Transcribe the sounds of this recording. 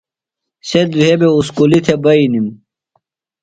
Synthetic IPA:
sed̪uɦebeuskulit̪ʰebɐinim

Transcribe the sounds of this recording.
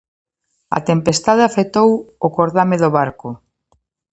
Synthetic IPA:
ɐ̰t̪empest̪aðeafet̪owʊkoɾðameðoβaɾkʊ

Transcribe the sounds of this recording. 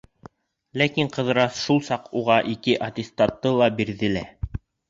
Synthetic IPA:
lækiɴqɤ̆ðɤ̆ɾɑsʃulˠsɑquʁɑʔikɘʔɐt̪ʲɪst̪ɑt̪ːɤlˠɑbiɾðɘ̆læ

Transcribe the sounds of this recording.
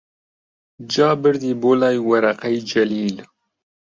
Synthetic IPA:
d͡ʒɑːbɨɾd̪iːboːlɑːjwɐɾɐqɛjd͡ʒɛliːl

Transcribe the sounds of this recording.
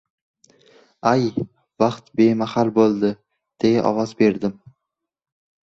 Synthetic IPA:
aj | vaqt̪be̞mahalˠbolˠd̪ɪ | d̪̥eɡaʔɒ̰vɒzbe̞ɾd̪ɪm

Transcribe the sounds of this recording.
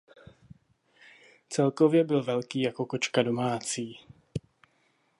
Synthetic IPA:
t͡sɛlkovjɛbɪlvɛlkiːjako̞kot͡ʃkado̞maːt͡siː

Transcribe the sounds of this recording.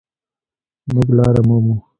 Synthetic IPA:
muɡlɑːɾamomu

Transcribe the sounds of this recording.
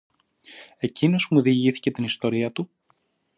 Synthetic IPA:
e̞cino̞smuðiʝiθi̥ce̞t̪inist̪o̞ɾiɐt̪u

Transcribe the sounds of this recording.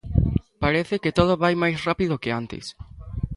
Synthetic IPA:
paɾeθeket̪oð̞ʊβajmajsrapiðʊkɪant̪ḛs

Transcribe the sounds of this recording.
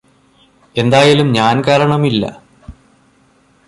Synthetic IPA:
e̞nd̪aːjalumɲaːnkaːɾɐɳɐmilːɐ̰

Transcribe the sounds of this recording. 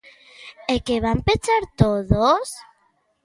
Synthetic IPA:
ekeβampet͡ʃaɾt̪oðos

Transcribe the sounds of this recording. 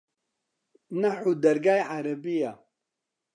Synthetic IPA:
nɐħud̪ɐɾɡaːjʕaɾɐbija

